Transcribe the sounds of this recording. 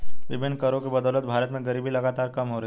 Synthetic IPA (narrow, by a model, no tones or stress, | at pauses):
ʋibinːkəɾokebəd̪ələt̪̚bʱaɾət̪mẽɡəɾiːbʱiːləɡat̪aɾkəmɦoɾe